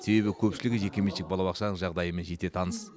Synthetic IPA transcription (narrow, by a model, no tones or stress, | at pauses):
se̞be̞bɪkʲʰɵpʃɪlɪɡʲɪʒe̞kʲemeʃɪk̚bɑlˠɑbɑqʃɑnəɴʒɑʁd̪ɑjəmenʒe̞t̪et̪ʰɑnəs